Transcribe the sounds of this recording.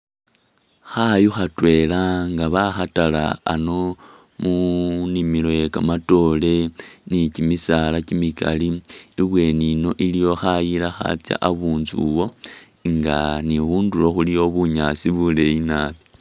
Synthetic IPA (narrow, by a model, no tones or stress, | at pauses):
xajuxatwe̞laŋɡaβaxatala̰ːno̞ | munimilojekamato̞le̞nicimisalacimikʰa̰liːβwe̞nino̞ʔilijo̞xajilaxa̰t͡sja̰ʔaβuːnzuwo̞ | ŋɡa̰nixuːndulo̞xulijo̞βuɲat͡siβule̞inaːβi